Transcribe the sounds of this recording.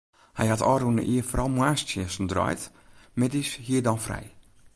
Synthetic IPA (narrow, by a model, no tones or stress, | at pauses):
hɛjhatɔːɾunə̰ʔiəfɔrɔlˠmwaːstjəsndrɔ̰jt | mɛtishiːədɔnfrɛ̰j